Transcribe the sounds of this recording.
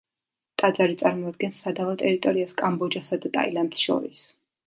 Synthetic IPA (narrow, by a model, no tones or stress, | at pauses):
t̪ʼad̪zaɾit̪sʼaɾmɔad̪̚ɡɛnsːad̪avɔt̪ʼɛɾit̪ʼɔɾiaskʼambɔd͡ʒasad̪at̪ʼa̰iland̪sʃɔ̰ɾḭs